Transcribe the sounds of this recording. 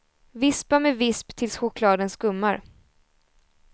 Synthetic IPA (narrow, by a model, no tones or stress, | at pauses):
vɪspamɛvɪspt̪ʰɪlsɧʊkʰlɑːd̪ənskɵmːaɾ